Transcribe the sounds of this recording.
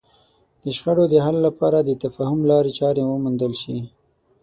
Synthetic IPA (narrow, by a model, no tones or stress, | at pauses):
d̪əʃxaɽod̪əɦalːapɑɾad̪ət̪afɑhʊmlɑɾet͡ʃɑɾewəmund̪əlʃi